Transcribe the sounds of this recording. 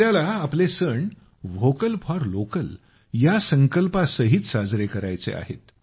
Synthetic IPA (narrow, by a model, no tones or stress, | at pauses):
jalaːplesəɳ | ʋokəlpʰɔɾlokəl | jasəŋkəlpasəɦiːt͡ssad͡zɾekəɾajt͡sḛa̰ɦḛt̪